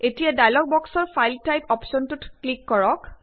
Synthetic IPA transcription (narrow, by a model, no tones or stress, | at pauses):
etijadajlɔk̚bɔksɔɹpʰajltajpʰɔpsɔntutklikːɔɹɔk